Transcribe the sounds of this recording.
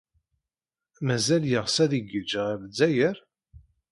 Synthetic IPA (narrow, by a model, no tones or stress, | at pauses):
mæzæljəʁsæðiɡəd͡ʒəʁævəd͡zːæjəɾ